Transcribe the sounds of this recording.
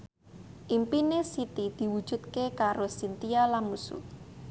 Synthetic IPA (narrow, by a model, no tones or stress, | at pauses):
ʔimpinesit̪id̪̥i̤wud̥ʒ̥ṳt̪̚kekaɾosint̪ialanmusṵ